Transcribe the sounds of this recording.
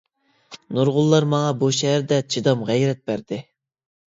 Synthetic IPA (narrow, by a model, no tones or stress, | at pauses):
nuɾʁʊlˠːɑɾmɑŋɑbuʃɛːɾd̪ɛt͡ʃʰid̪ɑmʁɛjɾɛt̪̚bæɾd̪̥ɪ